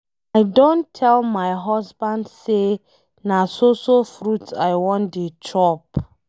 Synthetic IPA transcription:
ajdɔ̃ntʰɛlmajɦɔsbãndse | nasosofɹutajwɔ̃ndet͡ʃʰɔp

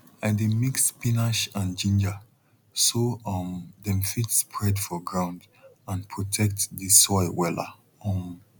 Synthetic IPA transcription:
ãɪdemikspinaʃãnd͡ʒĩnd͡ʒa | soʌmdɛ̃mfitspʰɹɛdfɔɡɹãʊ̃nd | ãnpʰɹɔtʰɛk̚tðisːɔɪwɛla̰ | ʌ̃m

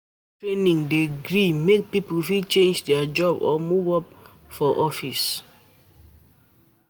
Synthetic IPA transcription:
tɹenĩŋdeɡɹimek̚piplfit͡ʃẽnd͡ʒdɛad͡ʒɔbɔ̰muvɔp̚ | fɔʔɔfis

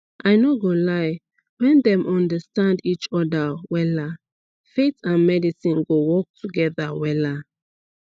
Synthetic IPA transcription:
ʔajnoɡolaj | wɛ̃ndɛ̃mʔɔ̃ndəstãndit͡ʃɔdəwɛla | fetãnmɛdisĩnɡowɔk̚tʰuɡɛðəwɛla

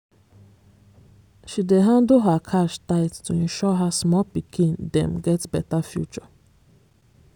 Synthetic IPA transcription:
ʃideɦadʊɦakʰaʃtaɪttun̩ʃɔɦasmɔpikʰĩndɛ̰̃m̩ɡɛtbɛtafjṵt͡ʃɔ

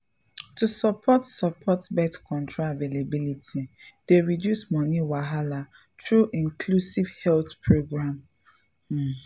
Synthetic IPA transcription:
tusɔpʰɔtsɔpʰɔtbɛtkʰɔ̃ntɹaavelebilitʰid̥eɹidjusmɔniwaɦala | tɹuʔĩŋkʰlusivhɛlθpɹoɡɹãm̩

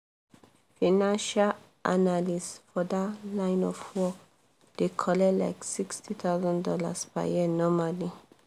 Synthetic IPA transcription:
fãnãnʃal | ʔa̰nalisfɔd̪alãɪ̃nɔfwɔk | d̪̥ekʰɔlɛla̰ɪksikstʰit̪ʰawzãndɔla̰spa̰jiənɔmali

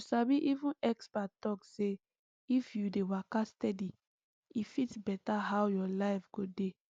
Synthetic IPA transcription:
sabiʔivũnɛkspatɔkse | ifjudewakastɛdi | ifitsbɛtaɦawjɔlaɪfɡode

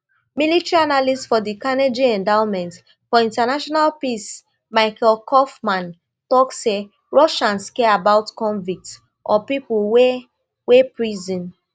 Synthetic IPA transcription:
militɹianalistfɔdikaned͡ʒiɛ̃ndaʊ̃nmɛ̃nt | fɔĩntanaʃɔnalpis | maɪkɛlkʰɔfmãn | tɔkse | ɹɔʃãnskɛabaʊtkɔ̃ɱvik̚t | ʔɔpipulwe | wepɹizɔ̃n

